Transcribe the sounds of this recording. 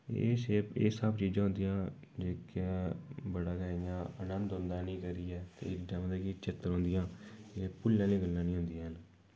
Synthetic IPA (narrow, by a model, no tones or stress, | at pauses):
ḛːseːpeːsəbt͡ʃiːd͡ʒãːɦʊ̃nd̪ijãː | d͡ʒeːkː | bəɽaːɡəːjãːənənd̪ɦʊ̃nd̪aːnĩːkəɾiːɛːt̪ḛːɪkɖɛmd̪eːkit͡ʃɪt̪ːəɾɦõːnd̪ɪjãːeːpʊlːãːliːɡəlːãːnĩːɦʊ̃nd̪ijːɦən